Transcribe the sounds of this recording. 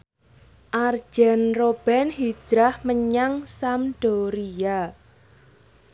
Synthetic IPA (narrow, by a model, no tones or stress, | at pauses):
ʔar̥ʒ̥ɛ̤nrob̥ɛnhi̥d͡ʒ̥ɾahməɲaŋsamɖ̥oɾia